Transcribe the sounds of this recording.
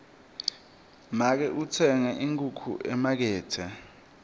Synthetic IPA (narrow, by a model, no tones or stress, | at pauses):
mak̬ɛʔut͡sʰɛŋaʔiŋkʼukʰṵʔɛmak̬ɛːtʰa